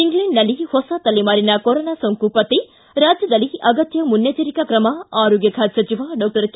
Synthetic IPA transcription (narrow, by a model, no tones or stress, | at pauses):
iŋɡlɐɳɖnɐlihɔsat̪ɐlːimaːɾinɐkoɾonaːsoŋkupɐt̪i | ɾaːd͡ʒjɐd̪ɐliɐɡɐt̪jɐmunjɐt͡ʃɐɾikɐkɾɐmɐaːɾoːɡjɐkʰaːd̪sɐt͡ʃiʋɐɖɔːk̚ʈɐɾk